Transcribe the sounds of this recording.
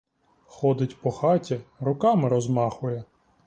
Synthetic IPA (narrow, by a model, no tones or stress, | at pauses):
xɔd̪ɪtʲpɔxɑtʲiɾʊkɑmɪɾɔzmɑxʊjɛ